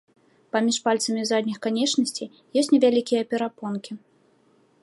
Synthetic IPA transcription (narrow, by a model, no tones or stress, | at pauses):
pamʲiʂpalʲt̪sɐmʲizad̪ʲnʲixkanʲɛt͡ʂnɐsʲt͡sʲij | jɔsʲtʲnʲɛvʲalʲikʲijɐpʲɛɾapɔnkʲi